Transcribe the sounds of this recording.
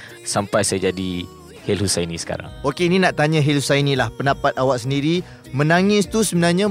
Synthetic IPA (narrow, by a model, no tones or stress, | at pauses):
sampajsajad͡ʒadi | helhusajinĩsə̥ka̰ɾa̰ŋokeinĩnãʔt̪aɲãɦelhusainĩlahpəndapat̪̚awaʔsəndiɾi | mə̃naŋɪst̪usəbənarɲã